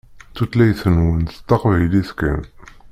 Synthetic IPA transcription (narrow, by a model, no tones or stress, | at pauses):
t͡sːut̪læjθənwənθə̥t̪ːɑqvæjliθkæ̰n